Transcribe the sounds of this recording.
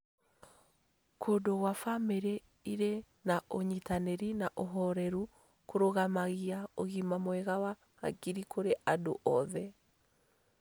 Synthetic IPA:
kʰodoɣwafameɾe | iɾe | naoɲitaneɾinaʔoɦɔɾɛɾu | koɾoɣamaɣiaoɣimamwɛɣawa | ɣa̰ɡiɾikʰoɾeʔado̰ʔɔðɛ

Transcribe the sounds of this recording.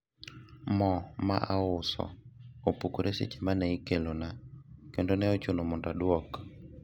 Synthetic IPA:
mɔma̰ʔaʊsɔ̰opukuɾesḛt͡ʃemanɛikɛlonakendonɛɔt͡ʃonomɔndaɗwɔkɔ̥

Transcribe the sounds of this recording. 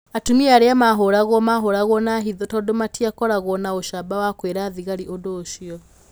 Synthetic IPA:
atumiaɾeamaɦoɾaɣɔmaɦoɾaɣwɔnaɦiðɔtɔdomatiakɔɾaɣwɔnaoʃabawakweɾaðiɣaɾiʔodoːʃiɔ

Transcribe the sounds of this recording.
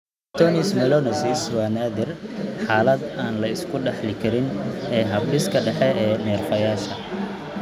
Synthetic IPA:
t̪ʰɔnɪsmɛlɔnɐsɪswaːnaːðɪrħaːlɐd̪aːnlɐɪskʰʊɖɛħlɪkʰɐɾɪnɛːɦɐblɪskʰɐɖɛħɛɛːnɛːrfɐjaːʃɐ

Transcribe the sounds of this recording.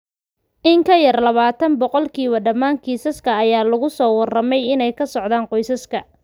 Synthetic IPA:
ʔɪŋkʰɐjɐrlɐβaːt̪ʰɐnbɔqɔlkʰiːβɐɖɐmaːŋkʰiːsɐskʰɐːjaːlɐɣʊsɔːwɐrɐmɛjɪnɛjkʰɐsɔʕðaːɴqɔjsɐskʰɐ

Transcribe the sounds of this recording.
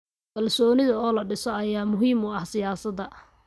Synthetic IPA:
kʰɐlsɔːnɪðɐɔːlɐɖɪsɔɐjaːmʊɦiːmʊɐhsɪjaːsɐd̪ɐ

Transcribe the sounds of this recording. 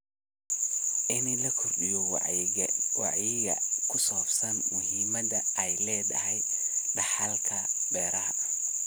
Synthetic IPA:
ʔɪnilɐkʰʊrɖɪjɔwɑ̰ʕɣɛwɑ̰ʕjɪɣɐ̰kʰʊsɔːbsɐnmʊɦiːmɐdɐɛjlɛːd̪ɐ̰hɛjɖɑħɐlkʰɐbɛːɾɐɦɐ

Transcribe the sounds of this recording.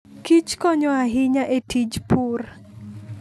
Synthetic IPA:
kit͡ʃkɔɲɔaɦɪɲaʔetid͡ʒpur

